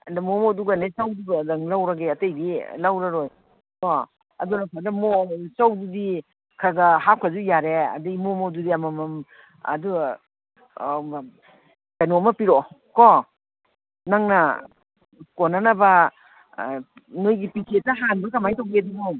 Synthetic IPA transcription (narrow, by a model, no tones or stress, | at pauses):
ɐndamomoduɡanesawduɡdɐŋlawɾɐɡeɐtejdilawɾaɾoj | ko | ɐ̰dunɐkʰadɐmosawdudi | kʰaɡɐɦakʰɐzujaɾeɐ̰dɯmomodudiɐmɐmɐm | ɐ̰du | kanomɐpiɾoko | naŋnɐ | konanɐbɐ | nojɡipikʰetːɐɦanbɐkɐmajtawbeduɡo